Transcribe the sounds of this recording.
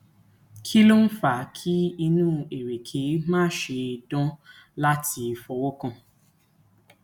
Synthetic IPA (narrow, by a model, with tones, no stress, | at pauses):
kʰi˦lo˦n̩˦fa˨kʰi˦i˧nũː˦e˨ɾe˨kʰe˨˦mãː˦ʃe˧˨dɔ̃˦ | la˦tʰi˧fɔ˧wo˦kɔ̃˦˨